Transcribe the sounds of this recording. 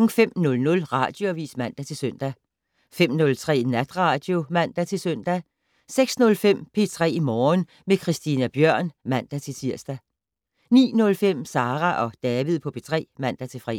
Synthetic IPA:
ŋ̩fem̰nɔ̽lnɔ̽lʁɑ̈ːd̥joæʋḭːsmæn̰d̥æt͡sʰe̝lsœn̰d̥æ | fem̰nɔ̽lt͡sʰʁɛ̰ːinæd̥ʁɑ̈d̥jo̝mæn̰d̥æt͡sʰe̝lsœn̰d̥æ | seɡ̥snɔ̽lfem̰pʰe̝t͡sʰʁɛ̰ːimɒːn | mekʰʁisd̥inæb̥jɶɐ̰nmæn̰d̥æt͡sʰe̝lsʰiɐ̰sd̥æ | nḭːnɔ̽lfem̰sɑ̈ːʁæʔɒ̽d̥ɛːʋið̞̰ˠpʰɒ̽pʰe̝t͡sʰʁɛ̰ːmæn̰d̥æt͡sʰe̝fʁḭ

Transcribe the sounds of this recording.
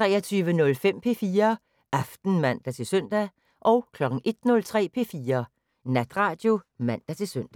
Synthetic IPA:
t͡sʰʁɛ̰ːɐt͡sʰyːʋənɔ̽lfem̰pʰe̝ːfiːɐ | ʔæfd̥n̩mæn̰d̥æt͡sʰe̝lsøn̰d̥æ | ʔɒʊkʰlɒ̽ɡ̥ŋ̩e̝d̥nɔ̽lt͡sʰʁɛ̰ːpʰe̝̰ːfiːɐ | næd̥ʁɑ̈ːd̥jo̝mæn̰d̥æt͡sʰe̝søn̰d̥æ

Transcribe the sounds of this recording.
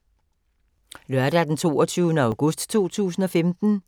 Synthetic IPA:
lɶɐdæd̥ent͡sʰo̝̰ːɒt͡sʰyːʊnəɑ̈ʊɡ̥ɔsd̥t͡sʰo̝̰ːt͡sʰṵːsn̩ɒ̽femd̥n̩

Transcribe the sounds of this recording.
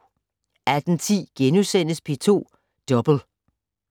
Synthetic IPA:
æd̥n̩t͡sʰḭːɡ̥enusen̰əspʰe̝t͡sʰo̝̰ː | d̥ɒ̽b̥l̩

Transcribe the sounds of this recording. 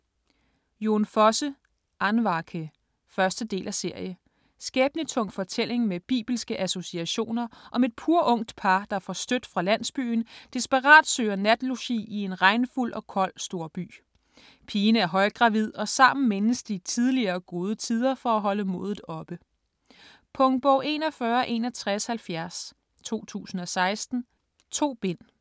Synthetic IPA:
jo̝nfɒ̽sə | ʔɑnʋɑ̈kʰə | fɶɐsd̥əd̥e̝̰ːlʔæse̝ɐ̰jə | sɡ̥eːb̥nit͡sʰɔ̽ŋ̰fɒ̽t͡sʰel̰e̝ŋmeb̥ḭːb̥l̩sɡ̥əʔæso̝siæɕo̝̰ːnɐʔɒ̽me̝d̥̚pʰuɐʔɔ̽ŋ̰d̥pʰɑ̈d̥ɑfɒsd̥ød̥fʁɑ̈læn̰sb̥y̰ːnd̥isb̥ɑʁɑ̰̈ːd̥sø̰ːɐnæd̥loɕḭie̝nʁɑ̈ɪnəful̰ʔɒ̽kʰɒ̽l̰sd̥o̝ːɐb̥y̰ː | pʰiːnəæɐɦɒ̽ɪɡ̥ʁɑ̈ʋið̞̰ˠɒ̽sɑ̈m̰n̩me̝nəsd̥it͡sʰið̞ˠliɐːɡ̥o̝ːð̞ˠət͡sʰið̞ˠɐfɒ̽æɦɒ̽ləmo̝ːð̞ˠð̩ˠɒ̽b̥ə | pʰɔ̽ŋb̥ɔʊʔe̝nɒfɶːɐʔe̝nɒt͡sʰʁashælfjæɐs | t͡sʰo̝̰ːt͡sʰṵːsn̩ɒ̽sɑ̈ɪsd̥n̩ | t͡sʰo̝̰ːb̥e̝n̰

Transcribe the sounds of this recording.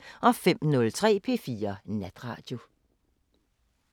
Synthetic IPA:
ʔɒ̽fem̰nɔ̽lt͡sʰʁɛ̰ːpʰe̝̰ːfiːɐnæd̥ʁɑ̰̈ːd̥jo̝

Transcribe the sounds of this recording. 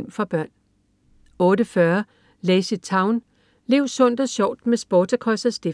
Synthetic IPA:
m̰fɒb̥ɶɐ̰n | ɔ̽ːɾəfɶɐ | leːsid̥̚t͡sʰɑ̈ʊn | le̝ʊsɔ̽n̰d̥ɒ̽ɕɒʊ̰d̥mesb̥ɒːdɐkʰʁɒsæsd̥e

